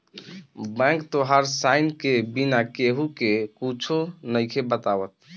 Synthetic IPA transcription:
bɛ̃kt̪oɦaɾsaɪnkebinakeɦukekut͡ʃʰonəjkʰebət̪awət̪̚

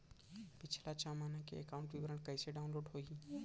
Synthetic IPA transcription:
pɪt͡ʃʰlat͡ʃamaːnakḛekaʊɳʈʋɪʋɾəɳkɐɪseɖaːʊnloːɖɦoːi

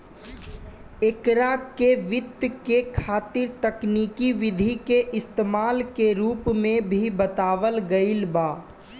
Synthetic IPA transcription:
ekɾakeʋɪt̪kekʰaːt̪ɪɾt̪əkniːkiʋɪd̪ʱikeʔɪst̪emaːlkeɾuːpmẽbʱibət̪aːʋəlɡəɪlbaː

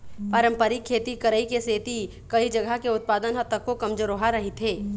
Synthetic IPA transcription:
paɾə̃mpəɾikʰːeːt̪ikɐɾəikeseːt̪i | kɐid͡ʒɐɡʱəkeʊt̪̚paːd̪ənɦɐt̪əkːokɐmd͡ʒəɾoɦaɾɐɦit̪ʰɦeː

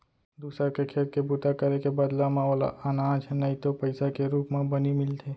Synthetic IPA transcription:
d̪uːsɾakekʰeːɾkebut̪akəɾekebəd̪lamãoːla̰ʔɐnãːd͡ʒnɐĩt̪opɐɪsakeɾuːpmẽbɐnimɪlt̪ʰeː

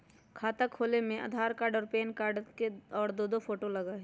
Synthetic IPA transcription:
kʰaːt̪əkʰːoːlemẽʔə̰d̪ʱaːɾkaːɾɖɔːɾpeːnkaːɾɖkeɔːɾd̪oːd̪opʰoːʈolɐɡaɦɛː

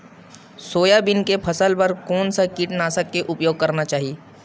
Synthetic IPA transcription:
soːjabɪnkepʰɐsəlpɐɾkɔːnsakiːʈnaːsəkːeʔʊpjoːɡ̚kɐɾnat͡ʃaːɦieː

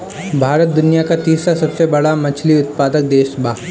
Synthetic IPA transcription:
bʱaːɾət̪̚d̪ʊnijakat̪iːsɾasɐbsebɐɽamɐt͡ʃʰliʊt̪̚paːd̪ək̚d̪eːʃbʱaː

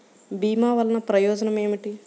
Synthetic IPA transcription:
biːmaːʋɐlːɐnɐpɾɐjɔːd͡ʒɐnɐme̞ːmiʈi

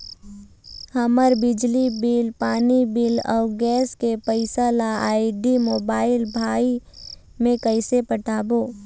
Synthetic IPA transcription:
həməɾbɪd͡ʒlibiːlpaːnibiːlɔ̰ːɾɡɛːskepəɪsalaaːɪɖimoːbaːɪlbʱaːi | mẽkəɪsepəʈaːboː

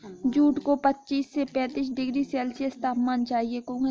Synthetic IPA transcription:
d͡ʒuːʈkopətːt͡ʃiːsːepɛ̃ːt̪iːs̬ɖɪɡɾisɛːlsieɪst̪aːpmaːnt͡ʃaːɦiekõː

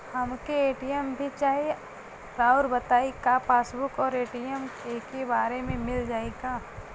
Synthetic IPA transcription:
hɐmkeeːʈijəmbʱit͡ʃaːɦie | ɾaːʊɾbɐt̪aːikapʰaːsbʊkɔːɾeːʈijəmekebaːɾemẽmɪld͡ʒaːeɡaː

